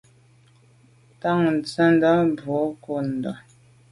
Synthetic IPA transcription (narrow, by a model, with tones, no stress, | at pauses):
ta˦˨ŋn̩˨t͡sə˦n˦də˦bo˨˦ko˦˨n̩˨də̰˨